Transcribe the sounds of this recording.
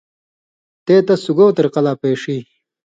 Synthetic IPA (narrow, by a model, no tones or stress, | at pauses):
t̪eːt̪ɐsuɡoːt̪ɐɾqɐlaːpeːʂiː